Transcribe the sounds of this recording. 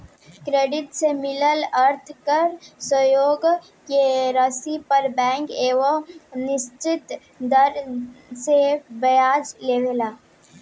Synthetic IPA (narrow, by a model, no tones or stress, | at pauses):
kɾeːɖɪʈ̪semɪləlɐɾt̪ʰkɐɾsəjoːɡ | keɾəsipɐɾbɛ̃ːŋkeːʋənɪst͡ʃɪt̪ | d̪əɾsebɐjaːd͡ʒleːʋelaː